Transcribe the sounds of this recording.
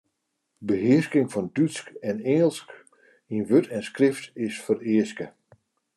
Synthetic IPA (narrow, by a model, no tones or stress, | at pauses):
bəɦɪəskɪŋfɔndyskɛnɛŋəlˠsk | inʋøtʰɛnskrɪftɪsfərɪəskə